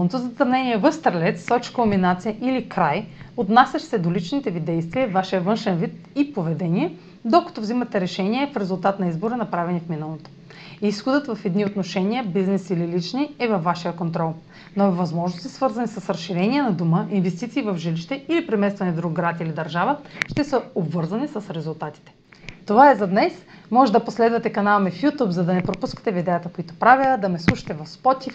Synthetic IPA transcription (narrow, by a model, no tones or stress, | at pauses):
not̪ozɐt̪ɐmnɛnʲiɛvəfst̪ɐɾlɛt̪sːɔt͡ʃkəlminat̪sijəʔilikɾajot̪nasʲɐʃsɛd̪olit͡ʃnit̪ɛvid̪ɛjst̪viəvaʃiəvɤnʃɛnvit̪̚ | ipovɛd̪ɛniɛ | d̪okɐ̥t̪ovzimɐt̪ɛɾɛʃɛniɛfɾɛzulˠt̪at̪nɐizboɾənɐpɾavɛnifminəlˠot̪o̥ | isxod̪ət̪vɐfɛd̪niot̪noʃɛniəbiznɛsililit͡ʃniɛvɐfːaʃijəkont̪ɾɔlˠ | nɔivɐzmɔʒnost̪i̥svɤɾzɐnisəsɾɐsʃːiɾɛnʲiɛnɐd̪uməʔinvɛst̪it̪siːvɐvʒiliʃt̪ɛilipɾɛmɛst̪vɐnɛd̪ɾuɡɡɾat̪ilid̪ɐɾʒavəʃt̪ɛsəobvɤɾzɐnisəsɾɛzulˠt̪at̪i̥t̪ɛ̥ | t̪ovaɛzɐd̪nɛsmɔʒɛd̪ɐposlɛd̪vɐt̪ɛkɐnalˠmɛfjut̪upzɐd̪ɐnɛpɾopuskə̥t̪ɛvid̪ɛjət̪əkoit̪o̥pɾaviəd̪ɐmɛslˠuʃɐ̥t̪ɛvɐfspɔt̪ʲif